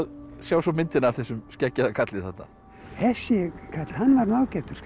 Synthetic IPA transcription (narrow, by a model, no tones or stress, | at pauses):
ðsjaːwsɔmɪnt̪ɪnḁθɛsʏmscɛcːaðakʰat̪lɪθaht̪a̰ | hɛsjɪkʰat̪l̥hanːvaɾnaːwcɛht̪ʏɾ̥